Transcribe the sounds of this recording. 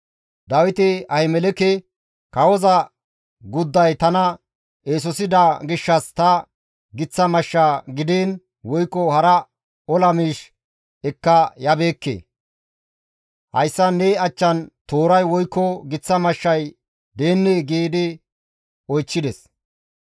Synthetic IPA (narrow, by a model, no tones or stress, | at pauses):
d̪ɐwɪt̪ɪɐhɪmɛlɛkɛ | kɐwɔzɐ | ɡʊd̪ːɐjt̪ɐnɐ | eːs̬ɔsɪd̪ɐɡɪʃːɐst̪ɐ | ɡɪt͡sːɐmɐʃːaːɡɪd̪eːn | wɔjkːɔhɐɾɐ | ɔlɐmiːʃ | ɛkːɐjɐbe̞ːkːḛː | hɐ̰jsːɐnːeɐt͡ʃːɐnt̪oːɾɐjwɔjkːɔɡɪt͡sːɐmɐʃːɐj | d̪e̞ːnːeɡeːd̪ɪ | ɔjt͡ʃːɪd̪ɛs